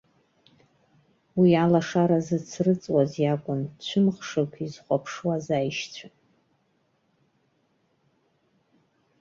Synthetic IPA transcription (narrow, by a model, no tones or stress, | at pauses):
wialaʂaɾazɨt͡sʰrɨt͡sʼwazjakʷʼʊnt͡ɕʷʰʊmχʂɨkʷʰizχʷapʰʂwazajʃt͡ɕʷʰa